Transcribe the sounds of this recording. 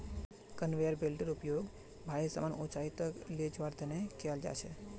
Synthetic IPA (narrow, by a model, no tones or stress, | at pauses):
kənʋejəɾbelɖəɾupjoɡ | bʱajesə̰manʔot͡ʃait̪əkled͡ʒʋaɾd̪ʰʱənekʰeald͡ʒa̰t͡ʃʰe